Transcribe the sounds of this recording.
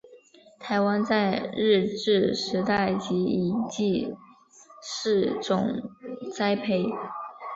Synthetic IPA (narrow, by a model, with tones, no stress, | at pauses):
t̪ʰa˧˥ɪwa˥nt͡sa˥˧ɪɻ̩˥˧ʈ͡ʂɻ̩˥˩ʂɻ̩˧˥t̪a˥˩ɪt͡ɕi˧˥i˨˩t͡ɕi˥˧ | ʂɻ̩˥˩ʈ͡ʂʊ˨˩ŋt͡sa˥ɪpʰe˥˩ɪ